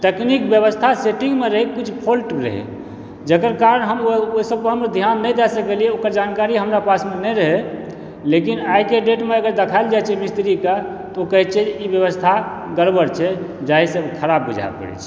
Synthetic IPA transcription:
t̪eknikbjəβəst̪ʰaseʈiŋɡmeɾəɦikkːut͡ʃʰpʰolʈɾə̰ɦḛ | d͡ʒəkəɾkaɾənɦəmooisəb̚kəɦəmɾad̪ʱjanːəjd̪ɛsəkelieokəɾd͡ʒankaɾiɦəmɾapasmenəjɾəɦe | lekinajkeɖeʈmeəɡəɾd̪əkʰajld͡ʒajt͡ʃʰɛmist̪ɾika | t̪okəɦit͡ʃʰɛibjəβəst̪ʰa | ɡəɾbəɾt͡ʃʰɛ | d͡ʒaɦisẽokʰəɾabːud͡ʒʱa̰pə̰ɾɛ̰t͡ʃʰɛ̥

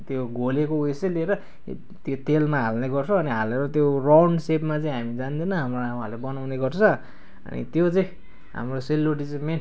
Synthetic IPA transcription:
t̪joɡʱolekousʌlieɾʌ | t̪jot̪elmaɦalneɡʌrt͡sʰʌːniɦaleɾʌt̪jorawɳɖsepmat͡saĩɦamid͡zand̪ʌnʌɦamroama̰lebʌnawneɡʌrt͡sʰʌ | ʌ̰nḭt̪jot͡sʌĩ | ɦa̰mroselːoʈ̬it͡sʌ̃men

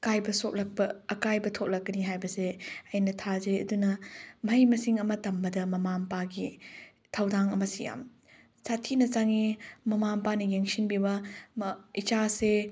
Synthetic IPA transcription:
kajbɐsot̚lɐk̚pɐːkajbɐtʰot̚lɐkːɐniɦajbɐseɐjnɐtʰazeɐ̰dunɐmɐjmɐsiŋɐmɐtɐmbɐdɐmɐmampaɡi | tʰɐwdaŋɐmɐsija̰m | satʰinɐt͡ʃaŋimɐmampanɐjeŋsinbibɐmit͡ʃase

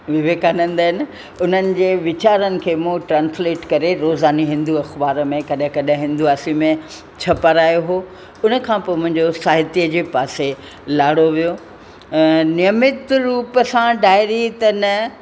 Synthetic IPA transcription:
ʋɪʋeːkaːnə̃nd̪aɦɪnɪ̆ | ʊn̤ənɪ̆d͡ʑeːʋɪt͡ɕaːɾənɪ̆kʰeːmũːʈɾãːnsleːʈkɐɾeɾoːzaːniɦɪ̃nd̪uɐxbaːɾəmẽkɐɗɪ̃kɐɗə̃ɦɪ̃nd̪uaːsimẽ | t͡ɕʰɐpəɾaːjoɦoː | ʊnə̆kʰãːpoːmʊ̃ɦɪ̃ɲd͡ʑosaːɦɪt̪ijəd͡ʑeːpaːse | laːɽoʋijo | nɪjəmɪt̪ɾuːpəsãɖaːɪɾit̪ɐnɐ

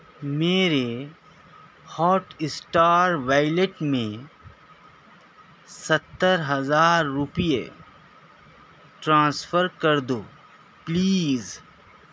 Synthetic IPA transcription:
meːɾe | hɔːʈɪsʈaːɾʋaːɪleʈmẽ | sɐt̪ːəɾɦɐzaːɾːʊpijḛ | ʈɾãːsfʰəɾkɐɾd̪oː | pliːz

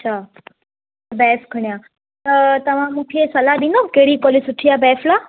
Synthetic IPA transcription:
ɐtːɕʰa | bɛːfkʰɐɳ̃ija | t̪ɐʋ̤ãmũːkʰesɐlaɗĩːn̆d̪okeɦɽikoːlɪsʊʈʰijaːbɛːflaː

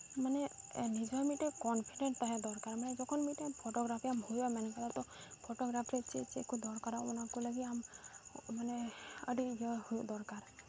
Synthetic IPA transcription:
manenid͡ʒɔmiʈekɔnpʰiɖeɳʈt̪aɦɛd̪ɔɾkaɾmanɛd͡ʒɔkʰɔnmiʈpʰɔʈɔɡɾapʰiamhujamankad̪ɔɾt̪ɔpʰoʈɔɡɾapʰiɾet͡ʃʰet͡ʃiekud̪ɔɾkaɾaunakulaɡiam | maneə̰ɖijɔhujd̪ɔɾkaɾ

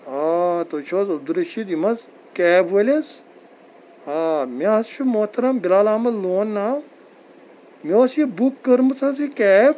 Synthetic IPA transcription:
at̪ot͡ʃʰoːzɐb̚d̪uɾɐʃid̪imɐz | kɛːbɐlʲes | amʲaɐst͡ʃʰumot̪ɐɾɐmbilaːlaːmɐzloːnːaːw | mʲoːsjibukːɐɾmɐt͡sʰɐsikɛːb

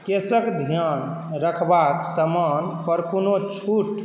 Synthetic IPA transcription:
kesəkd̪ʱijan | ɾəkʰbaksəmanpəɾkunot͡ʃʰuʈ

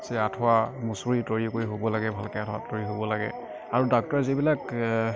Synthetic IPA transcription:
sɛatʰɔwamusuɹitoɹikoɹiɦobɔlaɡɛbʱalkɛatʰɔwa̰toɹiɦobɔlaɡɛ̰ | aɹudɔk̚tɔɹzibilak

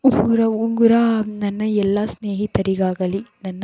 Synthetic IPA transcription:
uŋɡuɾɐuŋɡɯɾanɐnːɐɛlːaːsneːɦit̪ːɐɾiɣaːɣɐlinɐnːɐ

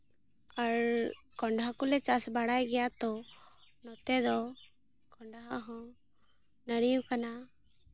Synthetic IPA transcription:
aɾkɔɳɖɦakɔlɛt͡ʃasbaɽajɡɛjat̪ɔnɔt̪ɛd̪ɔ | kɔɳɖaɦaʔɦɔ̃ | nəɽijukana

